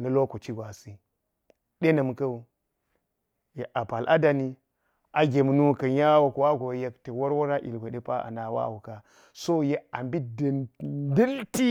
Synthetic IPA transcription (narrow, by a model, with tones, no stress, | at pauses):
nɐ˨lo˦ko˨t͡ʃi˦ɡʷa˨si˦ | ɗe˦nɐ˨mkɐ˦u˨ | je˨ʔa˨pa˨lʔa˦da˨ni˦ | ʔa˨ɡʲe˨m˨nu˦˨kɐ˨ja˦wa˨ku˨wa˦ɡo˨je˦kte˨wo˦ɾwo˦ɾa˦ʔḭ˨lɡʷo˨ɗe˦pa˦a̰˨na˨wa̰˦˨wu˨ka˨ | so˦je˦a˨mbi˦də˨di˦lti˦